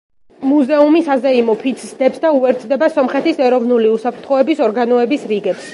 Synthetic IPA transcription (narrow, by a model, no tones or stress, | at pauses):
muzɛumisazɛimɔpʰit̪sʰsd̪ɛpsd̪auɛɾt̪sʰd̪ɛbasɔmχɛt̪ʰisɛɾɔvnuliusapʰɾt̪ʰχɔɛbisɔɾɡanɔɛbisɾiɡɛps